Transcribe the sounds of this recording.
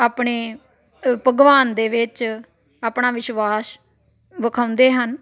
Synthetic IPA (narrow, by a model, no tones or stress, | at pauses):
aːpɳeː | pəɡʋaːnd̪eːʋɪt͡ʃ | aːpɳãːʋɪʃʋaːs | ʋəkʰaːʊnd̪eːɦən